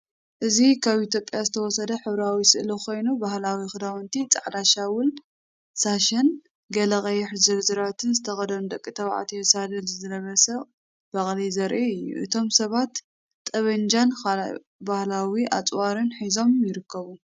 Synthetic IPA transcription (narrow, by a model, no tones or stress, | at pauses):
ʔɨzikʰaβʔit̪ʰjo̞pʼjazɨt̪ʰɐwɔsɐd̪ɐħɨβɾawisɨʔlokʰo̞jnubaɦlawixɨd̪awɐnt̪ʰit͡sʼaʕd̪aʃawʊl | saʃɐn | ɡɐlɐɣʼɐjɛħzɐlzɨɾat̪ʰɨnzɨt̪ʰɐxɐd̪ɐnd̪ɐkʼːit̪ʰɐβʕa̰t̪ʰiɛsad̪ɐlzɨzɨnɐβɐsɐχʼ | b̥ɐχʼlizɐɾʔiɨjːṵʔɨt̪ʰo̞msɐβat̪ːʼ | ɐβɐnd͡ʒan | bahlawiʔa̰t͡sʼwaɾɨnħizo̞mjɪɾɨkʰːɐβu